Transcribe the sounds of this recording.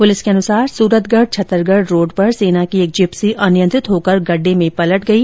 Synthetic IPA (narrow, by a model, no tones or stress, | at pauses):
pʊlɪskeɐnʊsaːɾsuːɾət̪ʰɡəɾɖ̚t͡ʃʰɐt̪ːəɾɡəɖɾoːɖpɐɾseːnakieːk̚d͡ʒɪpsiʔɐnɪjə̃nt̪ɾɪt̪ɦoːkɐɾɡɐɖːemẽpɐləʈɡɐiː